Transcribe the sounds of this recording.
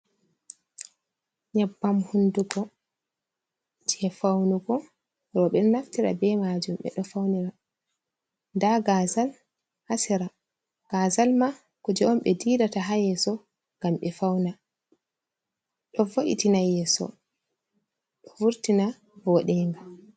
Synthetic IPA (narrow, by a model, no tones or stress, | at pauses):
ɲabːamhunduɡɔ | d͡ʒɛfawnuɡɔ | ɾɔɓɛnnaftiɾa̰bɛmad͡ʒumɓɛ̰ɗɔfawniɾa | ndaɡazal | hasiɾa | ɡ̥azalma | kɔd͡ʒɛɔmɓɛdiɗataɦajɛsɔ | ŋɡ̥amɓɛfawna | ɗɔvoʔḭtinajɛsɔ̰ | ɗɔvuɾtina | vɔɗɛŋɡa